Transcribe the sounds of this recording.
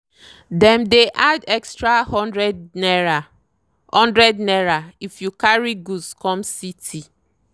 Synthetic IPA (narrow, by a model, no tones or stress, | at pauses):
dɛ̃mdeʔadɛkstɹahɔɹɛd | hɔ̃ndɹɛdnɛɹaifjukaɹiɡuskɔ̃msitʰi